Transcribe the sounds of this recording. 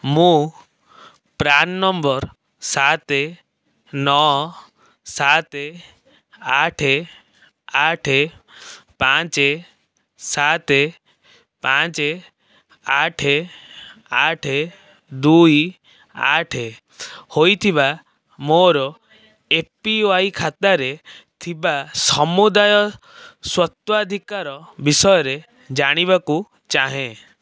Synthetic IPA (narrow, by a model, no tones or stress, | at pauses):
mũ | pɾanːɔmbɔɾ | sat̪e | nɔ | sat̪e | aʈʰe | aʈʰe | pat͡ʃe | sat̪e | pat͡ʃe | aʈʰe | aʈʰe | d̪uj | a̰ʈʰe | hojt̪ʰiba | moɾɔ | epioajkʰat̪aɾet̪ʰibasɔmud̪ajɔ | swɔt̪wɔad̪ʱikaɾɔbisɔjɔɾe | d͡ʒaɽ̃iβaku | t͡ʃaɦẽ